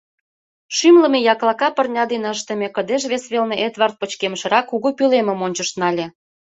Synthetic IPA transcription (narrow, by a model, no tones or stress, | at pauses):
ʃymlə̆mejɑklɑkɑpə̆rnʲɑd̪enəʃt̪ə̆mʲekə̆d̪eʃβesβelneʔet̪βɑrt̪̚pə̆t͡ɕkemʃɤ̆ɾɑkːuɣupylemə̆monʲt͡ɕəʃt̪nɑlʲĕ